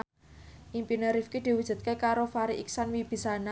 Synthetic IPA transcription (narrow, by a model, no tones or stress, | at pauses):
ʔimpinəɾifkid̪̥i̤wu̥ʒ̥ṳt̪̚kekaɾofaɾiʔiksanwib̥i̤sana